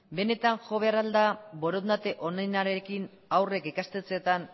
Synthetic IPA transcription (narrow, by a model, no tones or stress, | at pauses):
be̞ne̞t̪aŋʝo̞β̞e̞arald̪abo̞ɾond̪at̪e̞ʔo̞najnaɾekin | awre̞kikast̪et͡seet̪an